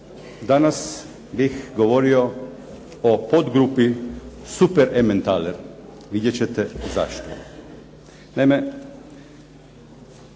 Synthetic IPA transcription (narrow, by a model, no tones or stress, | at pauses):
d̪anas | bixɡoʋo̞ɾio̞ | opod̪ɡɾupisupeɾʔement̪aleɾ | ʋid̪jet͡ɕet̪eza̰ʃt̪o̰ | najme